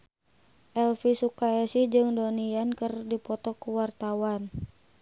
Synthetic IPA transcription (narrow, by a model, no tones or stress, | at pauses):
ʔɛlfisukaɛsid͡ʒɨŋdoniankɨrdipɔt̪ɔkuwart̪awan